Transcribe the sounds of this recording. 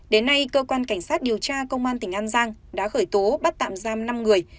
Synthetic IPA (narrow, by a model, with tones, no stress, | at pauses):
ɗe˨˦nːa˧jkəː˧kwaː˧nka˧˩jŋ̟saː˦˥t̚ɗi˨˩əwt͡ɕaː˧kə˧wŋ͡mʔaː˧nt̪ï˧˩ŋ̟ʔaː˧nzaː˧ŋɗa̰ː˧˥xəː˧˩jt̪o˨˦ɓa˦˥t̚t̪a̰ː˧˨mzaː˧mna˧mŋɨ˨˩əj